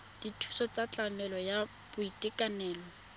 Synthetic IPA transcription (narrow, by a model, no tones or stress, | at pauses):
d̥itʰu̥sɔt͡sat͡ɬamɛlɔja | b̥ʊitʼɪkʼanɛːlɔ